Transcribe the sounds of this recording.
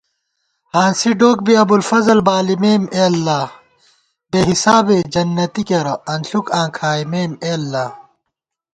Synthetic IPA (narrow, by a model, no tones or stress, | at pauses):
hãːnsiɖoːk̚biɐbulfɐzɐlbaːlimeːmeːlːaː | beːɦisaːbed͡ʑɐnːɐt̪ikeɾɐɐnɬukãːkʰaːimeːmeːlːaː